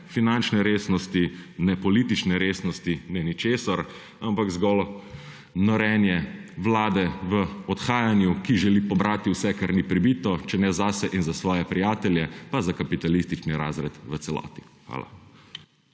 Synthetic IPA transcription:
finant͡ʃnɛɾeːsnɔst̪inɛpɔliːt̪it͡ʃnɛɾeːsnɔst̪inɛnit͡ʃeːsaɾ | ampakzɡɔl | nɔɾɛːnjɛʋlaːd̪ɛʋəɔt̪xaːjanjukiʒɛliːpɔbɾaːt̪iwsɛkaɾnipɾibit̪ɔt͡ʃɛnɛzasɛʔinzasʋɔːjɛpɾijaːt̪ɛljɛpazakapit̪alist̪it͡ʃniɾa̰ːzɾɛt̪ʋət̪sɛlɔ̰ːt̪i̥xʋa̰ːla̰

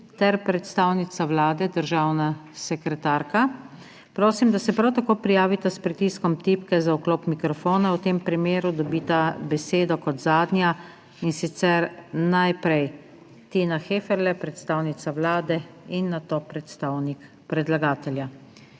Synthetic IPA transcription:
t̪ɛɾpɾɛt̪st̪aːwnit̪sawlaːd̪ɛd̪əɾʒaːwnasɛkɾɛt̪aːɾka | pɾoːsimd̪asɛpɾawt̪akoːpɾijaːʋit̪aspɾit̪iːskɔmt̪ipkɛzaukloːpmikɾɔfoːnawt̪empɾimeːɾud̪ɔbiːt̪abɛseːd̪ɔkɔt̪zaːd̪nja | insit̪sɛɾnajpɾɛj | t̪iːnaxeːfɛɾlɛpɾɛt̪st̪aːwnit̪sawlaːd̪ɛinːat̪oːpɾɛt̪st̪aːwnik | pɾɛd̪laɡaːt̪ɛlja

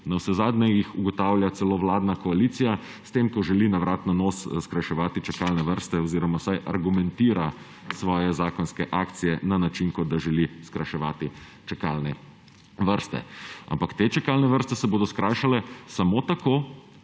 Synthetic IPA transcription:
nawsɛzaːd̪nɛjixuɡɔt̪awlʲjat̪sɛloːʋlaːd̪nakɔaliːt̪sija | st̪emkɔʒɛlinaʋɾʔaːt̪nanosskɾajʃɛʋaːt̪it͡ʃɛkalnɛʋəɾst̪ɛɔziːɾɔmawsajʔa̰ɾɡumɛ̃nt̪iːɾa | sʋɔːjɛzaːkɔnskɛʔaːkt̪sijɛnanat͡ʃinkɔd̪aʒɛliskɾajʃɛʋa̰ːt̪i | t͡ʃɛka̰lnɛ | ʋəɾst̪ɛ̰a̰mpakt̪eːt͡ʃɛkalnɛʋəɾst̪ɛsɛboːd̪ɔskɾajʃalɛsamoːt̪akoː

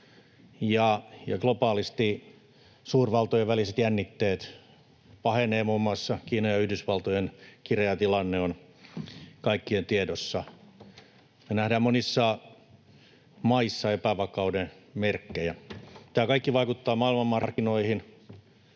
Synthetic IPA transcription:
jɑjɑɡlopɑːlist̪i | suːrʋɑlt̪ojeʋʋæliset̪jænːit̪ːeːt̪ | pɑheneːmumːɑsːɑkiːnojɑyhdysʋɑlt̪ojenkirjɑt̪ilɑnːeon | kɑikːient̪iedosːɑ | menæhdæːmmonisːɑ | mɑisːɑepæʋɑkɑudenmerkːejæt̪æːkɑikːiʋɑikut̪ːɑːmɑilmɑmmɑrrkːinoihin

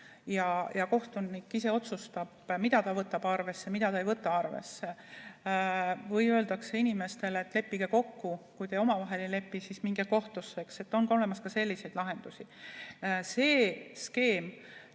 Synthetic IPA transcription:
jɑjɑko̞ht̪unikːise̞o̞t̪sust̪ɑb̥mid̪̥ɑt̪ɑvɤt̪ːˑɑb̥ɑrve̞sːe̞mid̪̥ɑt̪ɑejvɤt̪ːˑɑɑrvḛsːe | vɯjøld̪̥ɑkse̞inime̞st̪e̞let̪ːˑle̞pːiɡ̥e̞ko̞kːukujt̪eo̞mɑvɑɦe̞lele̞pːisismiŋɡ̥eko̞ht̪usːe̞kse̞t̪ːˑo̞nɡko̞le̞mɑskɑse̞lːise̞jd̪lɑɦe̞nd̪̥usi | se̞ːske̞ːm

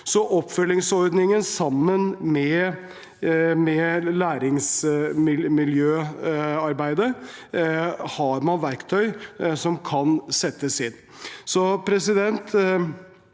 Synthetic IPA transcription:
sɔʔɔpːfœlːɪŋsɔɾd̪nɪŋənsɑmːənmɛ | mɛlæːɾɪŋsmɪmɪljøːɑɾbæɪd̪ə | hɑɾmɑnʋæɾkt̪ʰœʏsɔmkʰɑnsɛt̪ːəsɪn | sɔpʰɾɛsɪd̪ɛnt̪

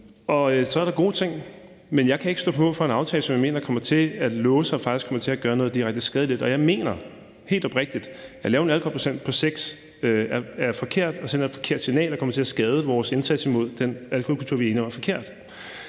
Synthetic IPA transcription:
ɒ̽øsɒ̽æɐɾɑ̈ɡ̥o̝̰ːt͡sʰe̝ŋ̰ | menjɑ̈ɪkʰæe̝ɡ̥sɔ̰̽ːpʰmɔð̰ˠfɒ̽e̝nɑ̈ʊt͡sʰɛːlsɒ̽mjɑ̈ɪme̝̰ːnɐkʰɒ̽mɐt͡sʰe̝æd̥lɔːəsɑfɑ̈ɡ̥isɡkʰɒ̽mɐt͡sʰe̝æɡ̥ɶːɐnɔ̽ð̞̩ˠdiʁaɡ̥̚d̥əsɡ̥ɛð̞ˠəlid̥ɒ̽jɑ̈ɪme̝̰ːnɐ | he̝̰ːld̥ɒb̥ʁɛɡ̥̚d̥id̥jɑ̈ɪlɛːʊe̝nælkʰɒpʰosen̰d̥̚pʰɒ̽seɡ̥s | øææɐfɒ̽kʰe̝ɐ̰d̥ɒ̽senɐed̥fɒ̽kʰe̝ɐ̰d̥sinɛ̰ːlɒkʰɒ̽mɐ̥t͡sʰe̝æsɡ̥ɛːð̞ˠəʋɒːse̝nsæd̥simo̝ð̞̰ˠd̥enælkʰokʰult͡sʰuɐ̰ʋienəɒæɐfɒ̽kʰe̝ɐ̰d̥

